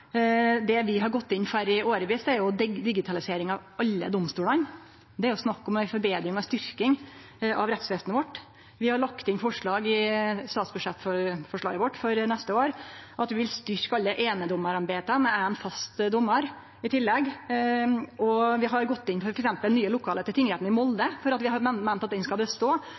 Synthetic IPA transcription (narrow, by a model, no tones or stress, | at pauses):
d̪ɛʋɪɦɑɾɡɔt̪ːɪnːfæɾɪoːɾʋiːsd̪ɛæɾjʊd̪d̪ɪɡɪt̪ʰɑlɪseːɾɪŋɑʋɑlːə̰d̪ɔmst̪uːlɑn | d̪ɛæɾjʊsnɑkːɔmæɪfɔɾbeːd̪ɾɪŋɔst̪ʏɾkɪŋ | ʔɑʋɾɛt̪sʋeːsənəʋɔʈː | ʋɪhɑɾɭɑkt̪ɪnfɔʂɭɑːɡɪst̪ɑːt̪sbʉʂɛt̪ːfɔɾfɔʂɭɑ̰ːɡəʋɔʈːfɔɾnɛst̪əoːɾɑt̪ʋɪʋɪlst̪ʏɾkɑlːəʔeːnəd̪ɔmːəɾɑnbeːt̪əmɛæənfɑst̪d̪ɔmːəɾ | ɪt̪ʰɪlːɛɡ | ɔʋɪɦɑɾɡɔt̪ːɪnfɔɾɛksɛmpəlnyːəlʊkʰɑːlət̪ʰɪlʰɪŋlheːt̪nɪmɔld̪əfɔɾɑt̪ʋɪɦɑɾmmænt̪ɑt̪d̪ɛnskɑlbəst̪oː